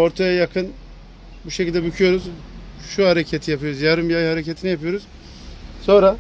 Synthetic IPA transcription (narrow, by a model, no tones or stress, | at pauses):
o̞ɾt̪ʰajajakʰɯn | buʃecilʲd̪ɛbycʰyjo̞ɾuz | ʃuhaɾecʰet̪ʰijapʰɯjo̞ɾuzjaɾɯmbiajhaɾecet̪ʰinijapʰɯjo̞ɾuz̥ | so̞nɾa